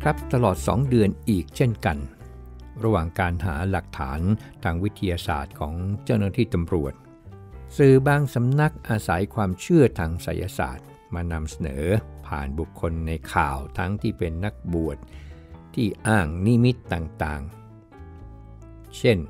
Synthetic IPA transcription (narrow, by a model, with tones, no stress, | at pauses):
kʰɾa˦˥p̚t̪a˧lɔː˨˩t̪̚sɔ̰ː˩˦ŋdɯ˧ənʔiː˨˩k̚t͡ɕʰe˥˩nka˧n | ɾa˧˥waː˨˩ŋkaː˧nɦaː˩˦la˨˩k̚t̪ʰa̰ː˩˦nt̪ʰaː˧ŋwi˦˥t̪ʰːa˧jaː˧sa̰ː˨˩t̪̚kʰɔː˩˦ŋt͡ɕa˥˩wnaː˥˧t̪ʰiː˥˩t̪a˧mɾu˨˩ət̪̚ | sɯː˨˩baː˧ŋsa˨˦mna˦˥k̚ʔaː˧sa˩˦jkʰwaː˧mt͡ɕʰɯ˥˩ɐt̪ʰaː˧ŋsa̰˩˦jʔa̰˧sa̰ː˨˩t̪̚ | maː˧na˧msa˧nɤ̰ː˩˦pʰa̰ː˨˩nbu˨˩kʰːo˧nːa˧jkʰa̰ː˨˩wt̪ʰa˦˥ŋt̪ʰiː˥˩pe˧nːa˦˥k̚bu˨˩ət̪̚ | t̪ʰːiː˥˩ʔaː˥˩ŋni˦˥mi˦˥t̪ːaː˨˩ŋt̪aː˨˩ŋ | t͡ɕʰe˥˩n